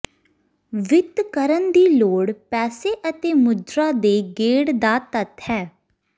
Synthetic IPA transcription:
ʋɪt̪kəɾənd̪iːloːɽpɛːseːʔət̪eːmʊd̪ɾaːd̪eːɡeːɽd̪aːt̪ət̪hɛː

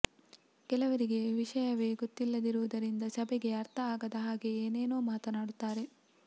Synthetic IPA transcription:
kɛlɐʋɐɾiɡe̞ʋiʂɐjɐʋeːɡot̪ːilːɐd̪iɾuʋɐd̪ɐɾind̪ɐsɐbɛɡe̞ɐɾt̪ʰɐaːɡɐd̪ɐɦaːɡeeːne̞ːno̞ːmaːt̪ɐnaːɽut̪ːaːɾe̞

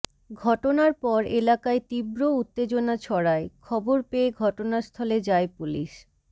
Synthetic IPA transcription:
ɡʱɔʈonaɾpɔɾelakaet̪ibɾout̪ːed͡ʑonat͡ɕʰɔɽaekʰɔboɾpeeɡʱɔʈonaɾst̪ʰɔled͡ʑaepulḭʃ

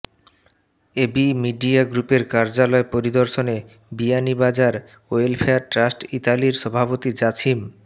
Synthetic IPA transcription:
ebimiɖiaɡɾupeɾkaɾd͡ʑalɔepoɾid̪oɾʃone | bianibad͡ʑaɾ | oelfʰeaʈɾasʈit̪aliɾʃɔbʱapot̪id͡ʑat͡ɕʰim

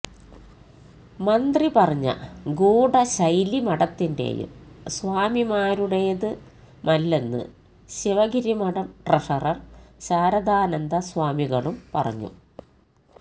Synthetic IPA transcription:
mɐnd̪ripɐrɐɲːɐ̰ɡuːɽɐɕɐjlimɐɽɐt̪ːinde̞̰ːjṵmsʋaːmimaːɾuɽejɐðɨ | mɐlːenːɨ̰ | ɕiʋɐɣiɾimɐɽɐmʈrɐʂɐrɐrɕaːɾɐd̪aːnɐnd̪ɐsʋaːmiɣɐɭumpɐrɐ̰ɲːṵ

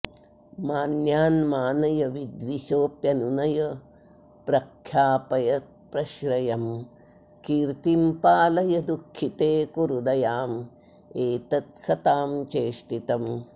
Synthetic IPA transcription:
maːnjaːnmaːnɐjɐʋid̪ʋiʃoːpjɐnunɐjɐ | pɾɐkʰjaːpɐjɐt̪̚pɾɐʃɾɐjɐm | kiːɾt̪impaːlɐjɐd̪ukʰːit̪eːkuɾud̪ɐjaːm | eːt̪ɐt̪sɐt̪aːmt͡ʃeːʂʈit̪ɐm

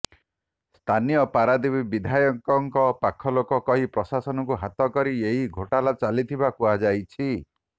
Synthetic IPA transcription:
st̪ʰanijɔpaɾad̪ibibid̪ʱajɔŋkɔŋkɔpakʰɔlokɔkɔɦipɾɔsasɔnɔkuɦat̪ɔkɔɾieɦiɡʱoʈalat͡ʃalit̪ʰibakuad͡ʒajt͡ʃʰi

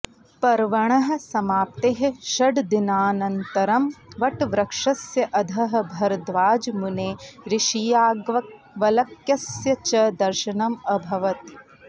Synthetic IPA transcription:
pɐɾʋɐɳ̃ɐɦɐ̆sɐmaːp̚t̪eɦɐ̆ʃɐɖd̪inaːnɐnt̪ɐɾɐmʋɐʈʋɾɐkʂɐsjɐʔɐd̪ʱɐɦɐ̆bʱɐɾd̪ʋaːd͡ʒmuneːɾɪʃijaːɡʋɐ | ʋɐlɐkjɐsjɐt͡ʃɐd̪ɐɾʃɐnɐmɐbʱɐʋɐt̪̚

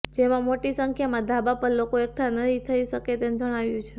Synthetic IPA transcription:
d͡ʒemãmoʈisəŋkʰjamãd̪ʱabapəɾlokoek̚ʈʰanətit̪ʰəiʃəket̪end͡ʒəɽ̃aʋjũt͡ʃʰe

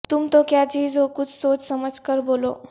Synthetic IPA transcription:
t̪umt̪okjad͡ʑid͡zokut͡ssot͡ssəməd͡zkəɾbolo̰

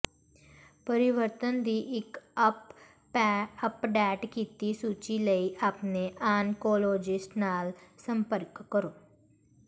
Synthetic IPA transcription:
pəɾɪʋəɾt̪ənd̪iːʔɪkp | əpɖɛːʈkiːt̪isuːt͡ʃiləiʔaːpneʔaːnkoːloːd͡ʒɪsʈnaːlsə̃mpəɾkːəɾoː

